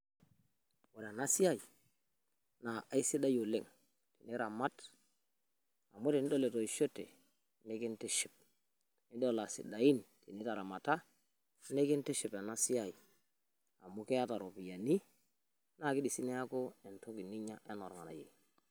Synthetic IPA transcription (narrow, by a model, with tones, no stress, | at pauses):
wo˨ɾa˨na˦si˦a˦i˨ | na˨a˨i˦si˦da˦jo˨le˦ŋ | ti˨ni˦ɾa˨ma˦t | a˨mu˦ti˨ni˦do˦le˨to˨i˨ʃo˦tḛ˨ | ne˦ki˦nti˦ʃi˨p̚ | ni˦do˦˨la˨sḭ˨da˨ji˦nti˨ni˦ta˨ɾa˨ma˨ta˦ | ne˦ki˦n˦ti˦ʃi˨pe˨na˦si˦ja˦˨i˨ | a˨mu˦kɛ˦a˦ta˨ɾo˨pi˨ja˨ni˦ | na˦˨ki˦di˨si˦ne˦ja˦ko˦e˨nto˦ki˨ni˦ɲa˦ʔe˦no˨ɾŋa̰˨na̰˨jḛ˨